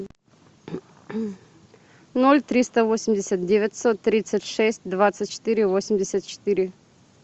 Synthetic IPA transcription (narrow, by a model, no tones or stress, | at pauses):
nolʲt̪ɾʲist̪əvosʲɪmʲdʲɪsʲət̪̚dʲevʲɪtʲsot̪ːɾʲit̪sɨtʲʂɛsʲt̚ʲd̪vat̪sɨt̚ʲt͡ɕɪ̥t̪ɨɾʲɪvosʲɪmʲdʲɪsʲət̪̚t͡ɕɪ̥t̪ɨɾʲɪ